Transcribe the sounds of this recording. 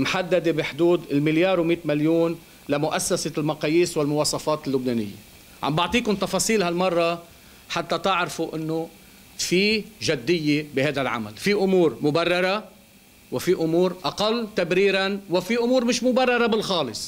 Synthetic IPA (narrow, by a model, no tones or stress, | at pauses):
mħad̪ːad̪ebɪħd̪uːd̪ɪlmɪljɑːɾˤwmiːt̪maljuːn | lamʊʔasːaselmɑqɑːjiːswɪlmʊwɑːsˤɑfɑːt̪ɪlːʊbneːnɪ̰jːḛ | ʕa̰mbɑʕt̪ˤiːkʊnt̪ɑfɑːsˤiːlhalmɑrˤːɑ | ħat̪ːat̪ɪʕɾfuʔɪnːo | fiʒad̪ːɪjːebɪhajd̪alʕa̰ma̰lfiʔʊmuːɾmʊbarˤːɑɾˤɑ | wɪfiʔʊmuːɾʔɑqɑlːt̪abɾiːɾanwɪfiʔʊmuːɾmɪʃmʊbarˤːɑɾˤɑbɪlxɑːlɨsˤ